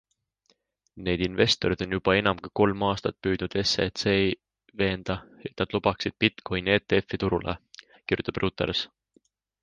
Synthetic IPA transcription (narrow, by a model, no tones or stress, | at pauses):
ne̞ːd̪̥inve̞st̪o̞ɾid̪̥o̞njub̥ɑe̞nɑmkiko̞lmɑːst̪ɑt̪̚ːpyːd̪̥nud̪̥e̞set̪se | ve̞ːnd̪̥ɑe̞t̪nɑd̪̥lub̥ɑksid̪̥̚pit̪kʰojne̞ːt̪eefːit̪uɾulʔḛ | kiɾrjut̪ːˑɑbrʔuːt̪ḛɾs